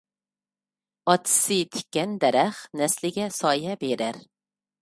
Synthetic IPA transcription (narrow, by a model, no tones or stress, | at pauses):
ɑt̪sit̪ʰɪ̥kʲːɛnd̪æɾæχnɛslɪɡʲɛsɑːjɛbeɾæɾ